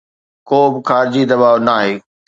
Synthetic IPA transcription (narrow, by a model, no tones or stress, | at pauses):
koːbɪkaːɾd͡ʑid̪ɐbaːʋnaːɦeː